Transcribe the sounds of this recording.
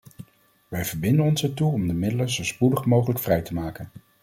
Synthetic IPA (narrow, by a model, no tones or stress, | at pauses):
ʋɛjvəɹbɪndənɔnsɛɹtuɔmdəmɪdələnzowspudəχmowχələkfrɛjtəmaːkən